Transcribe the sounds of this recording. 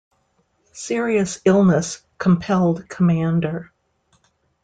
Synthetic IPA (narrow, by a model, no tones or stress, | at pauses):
sɪɹiɨsɪlˠnəs | kʰə̃m̩pʰɛlˠd̚kʰəmæ̃ndə˞